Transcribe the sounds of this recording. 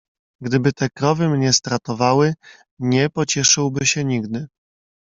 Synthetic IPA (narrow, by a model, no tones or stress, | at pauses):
ɡd̪ɘbɘt̪ɛkɾɔvɘmɲɛst̪ɾat̪ɔvawɘ | ɲɛpɔt͡ɕɛʂɘwbɘɕɛɲiɡd̪ɘ